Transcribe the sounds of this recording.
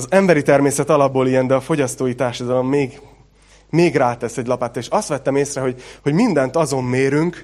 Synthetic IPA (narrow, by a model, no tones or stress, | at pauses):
zɛmbɛɾit̪ɛrmeːsɛt̪ɒlɒbːoːlijɛnd̪ɛɒfo̞ɟɒst̪oːjit̪aːrʃɒd̪ɒlo̞mːeːɡ | meːɡraːt̪ɛsɛɟlɒpaːt̪ːeːʃɒst̪ʋɛt̪ːɛmeːsrɛɦo̞ɟho̞ɟmind̪ɛnt̪ɒzo̞mːeːɾyŋk